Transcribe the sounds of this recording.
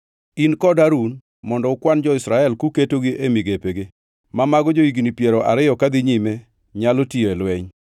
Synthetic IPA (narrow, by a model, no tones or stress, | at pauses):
inkɔdaɾun | mɔndɔʊkwand͡ʒɔɪsɾaɛlkuketoɡiʔemiɡepeɡe | mamaɡɔd͡ʒoiɡinipjeɾɔʔa̰ɾɪjɔkad̪ɪɲime | ɲalotieɛlwɛɲ